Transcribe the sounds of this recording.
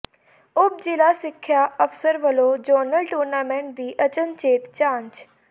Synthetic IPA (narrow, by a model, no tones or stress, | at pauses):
ʊb̚d͡ʒɪlaːsɪkʰːjaːʔəfʰsəɾʋəloːd͡ʒoːnəlʈuːɾnaːmɛ̃ːɳʈ̚d̪iːʔət͡ʃənt͡ʃeːt̪t͡ʃaːɲt͡ʃ